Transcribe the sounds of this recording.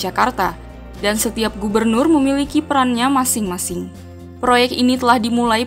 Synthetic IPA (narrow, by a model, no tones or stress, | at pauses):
d͡ʒakart̪a | dansət̪iap̚ɡubərnʊrməmilikipəɾanɲamasɪŋmasɪŋ | pɾojɛk̚t̪init̪əlahdimulai